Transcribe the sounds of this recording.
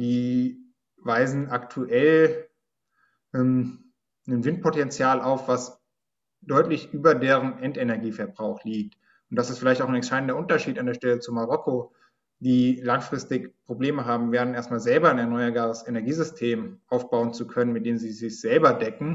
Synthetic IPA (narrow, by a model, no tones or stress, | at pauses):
d̥iː | vaɪzn̩ʔaktʰuʔɛl | ʔɛm | nənvɪnt̚pʰotɛnt͡sjaːlʔaʊfv̥as | d̥ɔʏtlɪçʔyːbɐdeːʁ̞ənʔɛntenɛɐɡiːfɛɐbʁaʊxliːk̚t | ʊnt̚d̥asɪstfɪlaɪçtaʊxnɛnʃaɪdn̩dɐʔʊntɐʃiːtandeːɐʃtɛlət͡sumaʁɔkʰo | d̥iːlaŋfʁ̥ɪstɪçpʁ̥obleːməɦaːbm̩veːʁənʔeːɐstmaːlzɛlbɐaɪnɛɐnɔʏɐbaːʁəsenɛɐɡiːzʏstʰeːmʔaʊfb̥aʊənt͡sukʰœnənmɪt̚d̥eːmziːzɪçz̥ɛlbɐdɛkŋ̩